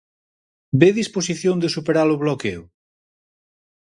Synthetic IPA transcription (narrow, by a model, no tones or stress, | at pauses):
beðispos̬iθjond̪esupeɾalʊβlokew